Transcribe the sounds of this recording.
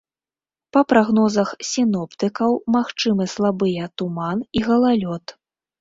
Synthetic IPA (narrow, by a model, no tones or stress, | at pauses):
pɐpɾaɣnɔzɐxsʲinɔpt̪ɨkɐwmaxt͡ʂɨmɨslˠabɨjɛt̪umaniɣɐlˠalʲɔt̪